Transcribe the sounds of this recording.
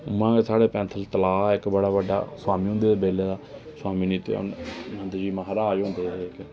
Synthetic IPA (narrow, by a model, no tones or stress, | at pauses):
ʊmãːkeːsaːɽeːpɛ̃ːnt̪ʰəlt̪əlaːɪkbəɽaːʋəɖa̰ːswaːmĩːɦʊ̃nd̪eːd̪eːbeːleːd̪aːswaːmiːniːt̪ḛnənd̪d͡ʒiːmaɦɾaːd͡ʒɦʊ̃nd̪eːeke